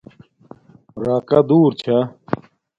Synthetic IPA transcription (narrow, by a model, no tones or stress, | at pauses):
ɾaːkɐd̪uːɾt͡ɕʰa